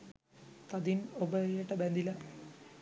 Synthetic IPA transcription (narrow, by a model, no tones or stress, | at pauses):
t̪ɐd̪inobɐjeʈːɐbend̪ilɐ